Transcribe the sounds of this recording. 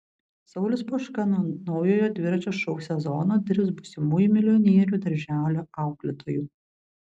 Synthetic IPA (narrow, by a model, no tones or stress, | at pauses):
sɐʊlʲɪspoʃkɐnonɒʊjoːjod̪ʲʋʲɪɾɐt͡ʃʲoːʃɔʊsʲɛzɔːnoːd̪ʲɪɾʲps̬bʊsʲɪmuːjumʲɪlʲɪɔnʲiɛɾʲuːd̪ɐɾʲʒʲæːlʲoːɑˑʊɡlʲɪt̪ʰoːjuː